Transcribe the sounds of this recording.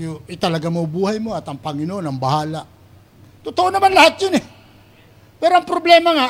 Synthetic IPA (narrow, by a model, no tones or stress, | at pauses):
jʊɪt̪ɐlaɡamɐwbuːɦajmoɐt̪ɐŋpɐŋɪnoʔonɐŋbɐɦaːla | t̪ʊt̪oʔonɐmanlahat̪̚jʊnɛ | pɛɾoɐŋpɾoblɛmaŋa